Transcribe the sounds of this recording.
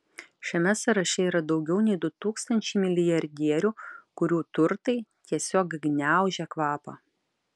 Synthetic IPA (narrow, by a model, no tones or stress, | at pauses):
ʃʲɛmʲɛsɐɾɐʃʲɛiːɾɐd̪ɒʊɡʲɛʊnʲɛɪd̪ʊt̪uːkst̪ɐnʲt͡ʃʲɛɪmʲɪlʲɪjɐɾʲd̪ʲiɛɾʲuːkʊɾʲuːt̪ʊɾt̪ɐɪt̪ʲiɛsʲoːkɡnʲæˑʊʒʲɛkʋɑːpɐ̰